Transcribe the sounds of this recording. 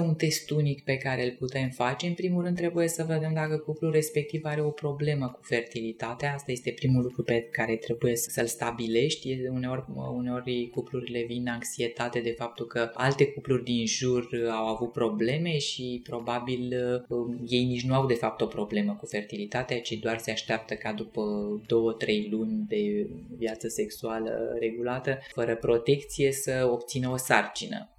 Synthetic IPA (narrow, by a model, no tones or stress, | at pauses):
unt̪e̞st̪unikpe̞kaɾe̞lput̪e̞mfat͡ʃe̞ɨnpɾimulɾɨnd̪t̪ːɾe̞buje̞səved̪emd̪akəkuplurːespe̞k̚t̪ivaɾe̞o̞pɾo̞ble̞məku̥fe̞rt̪ilit̪at̪eaast̪aje̞st̪e̞pɾimulukɾupekaɾe̞t̪ɾe̞buje̞səsəlst̪abile̞ʃt̪ʲjeune̞o̞rʲuneo̞rʲkupluɾile̞vinaŋksie̞t̪at̪e̞d̪e̞fap̚t̪ulkəa̰lt̪e̞kuplurʲd̪inʒurawavut̪̚pɾo̞ble̞me̞ʃipɾo̞babil | je̞jnit͡ʃnuaud̪e̞fap̚t̪o̞pɾo̞ble̞məkufe̞rt̪ilit̪at̪eat͡ʃed̪oarse̞aʃt̪eap̚t̪əkad̪upəd̪o̞wət̪ɾe̞jlunʲd̪e̞vjat̪səse̞ksualə̰ɾe̞ɡulat̪əfəɾəpɾo̞t̪e̞kt̪sije̞səo̞pt̪sinəo̞sart͡ʃinə̰